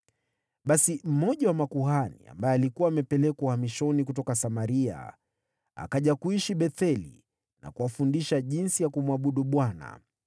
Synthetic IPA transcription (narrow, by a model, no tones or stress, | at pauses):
ɓasim̩mɔʄawamakuhanḭa̰mbajɛalikuwaːmɛpɛlɛkauhamiʃɔnikutɔkasamaɾia̰ | a̰kaʄakuiʃiɓɛθɛlḭ | na̰kuwafundiʃaʄinsijakumwaɓuɗuɓwana̰